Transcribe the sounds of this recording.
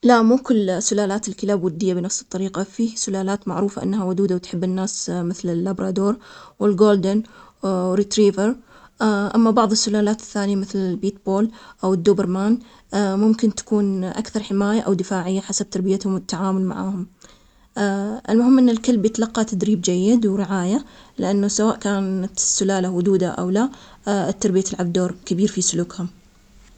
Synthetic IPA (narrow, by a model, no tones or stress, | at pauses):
laʔmuːkʊlːsːʊlaːlaːt̪ɪlkɪlaːbwʊd̪ːɪjːabɪnɑfsɨ̥t̪ˤːɑɾiːqafiːsʊlaːlaːt̪maʕɾuːfaʔɪ̰nːhawʊd̪uːd̪awɪt̪ħɪbːɪnːaːsmɪθlɪlːabɾɑːd̪oːɾˤwɪlɡoːld̪ɪn | ɾit̪ɾiːvəɾ | ʔamːabɑʕðˤɪsːʊlaːlaːt̪ɪ̥θːaːnɪjamɪθlɪlbiːt̪̚boːlʔawɪd̪ːuːbɪɾmaːn | mʊmkɪnt̪ḁkuːnʔa̰kθɑɾˤħɪmaːjaʔawd̪ɪfaːʕɪjːaħasab̚t̪ɑɾˤbɪjat̪hʊmɪt̪ːaʕaːmʊlma̰ʕaːhʊm | ʔɪlmʊɦɪmːʔɪnːɪlkɪlbjɪt̪alɑqːɑt̪ad̪ɾiːb̚d͡ʒajːɪd̪wɾɪʕaːjalɪʔanːʊsawaːʔkaːnat̪ɪsːʊlaːlawʊd̪uːd̪aʔa̰wlat̪ːɑɾˤbɪjat̪ɪlʕab̚d̪oːɾˤkabiːɾfisʊluːkhʊm